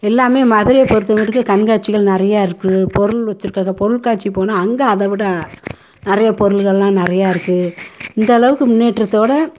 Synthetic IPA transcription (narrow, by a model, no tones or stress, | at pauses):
ɛlːaːmeːmɐðɪɾɪjɐpɔɾɯt̪ːɯmɪɾɯkːɯkɐɳɡaːʈ̚t͡ʃɪɣɐɭnɪɾɐjaːɪɾɯkːɯpɔɾɯlʋɐt͡ʃːɯɾɯkːaːɣɐpɔɾɯɭkaːʈt͡ʃːipoːnaːɐŋɡɐɐðɐʋɪɽɐ | nɪrɐjɐpɔɾɯlɣɐɭlãːnɪɾɐjaːɪɾɯkːɯɪnd̪ɐːɭɐʋɯkːɯmʊnːeːʈrɐt̪ːoːɽɐ